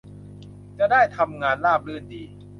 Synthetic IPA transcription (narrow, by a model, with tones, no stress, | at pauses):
t͡ɕa˨˩ʔdaː˥˩jt̪ʰa˧mŋaː˧nlaː˥˩p̚lɯ˥˩ndiː˧